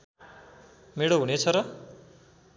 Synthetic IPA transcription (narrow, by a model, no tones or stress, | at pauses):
meɽoɦunet͡sʰʌɾʌ